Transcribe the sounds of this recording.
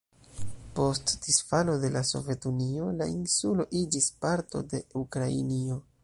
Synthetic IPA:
po̞std̥isfalo̞de̞laso̞̰vje̞tunio̞lainsulo̞ʔid͡ʒispaɾto̞̰de̞ukɾaḭnio̞

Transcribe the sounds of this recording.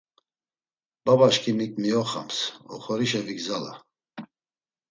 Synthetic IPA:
b̥abaʃkʰimikʼmiɔχa̰msɔ̰χɔɾiʃɛviɡzala̰

